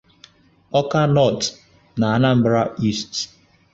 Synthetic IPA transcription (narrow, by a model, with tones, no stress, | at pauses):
ɔ˦ka˦nɔ˦˨t | na˨a˦na˦m̩˦bɾa˦ʔi˦˨st